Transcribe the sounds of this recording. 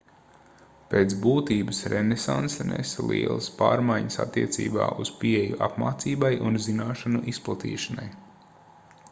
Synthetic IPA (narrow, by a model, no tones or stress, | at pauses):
peːt̪sbuːt̪iːbəsɾʔenesansɛnʔɛ̰slˠiɛlˠəspaːɾmajɲəsa̰t̪ːiɛt̪sḭːba̰ːʔuz̥piejuʔapmaːt̪siːbajʔunzinaːʃanuʔisplˠat̪ḭːʃanaj